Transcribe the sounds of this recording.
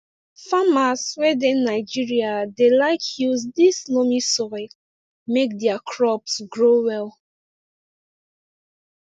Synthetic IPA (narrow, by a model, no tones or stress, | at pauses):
famaswɛdẽnːaɪd͡ʒiɹiadelaɪkʰjuzdislɔmisɔɹi | mek̚dɛakʰɹɔpsɡɹowɛlˠ